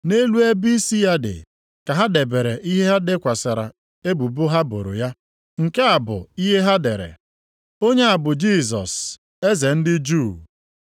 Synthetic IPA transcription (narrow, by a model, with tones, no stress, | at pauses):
ne˦lu˦e˦bi˦i˦si˦ja˦dɪ̰˨ | ka˨ɦa˦de˨be˨ɾe˨ʔi˦ɦe˦ɦa˦de˦kʷa˨sa˨ɾa̰˨ | e˦bu˨bʊ˦ɦa˦bo̰˨ɾo̰˨ja˦ | ŋ̩˨ke˦a˨bʊ̰˨i˦ɦe˦ɦa˦de˨ɾḛ˨ | o˦ɲe˦a˨bʊ˨d͡ʒi˦˨sɔ̰˨s | e˦ze˨n̩˦dɪ˦d͡ʒuː˦˨